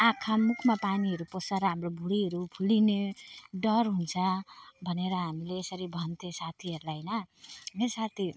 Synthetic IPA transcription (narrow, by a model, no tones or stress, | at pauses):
akʰamukʰmapaniɦʌɾuposʌɾɦamrobʱuɽiɦʌɾupʰulineɖʌrɦunt͡sʰʌbʱʌneɾʌɦamileːsʌɾibʱʌnt̪ʰesat̪ʰiʌɾulaɦnʌmesat̪ʰi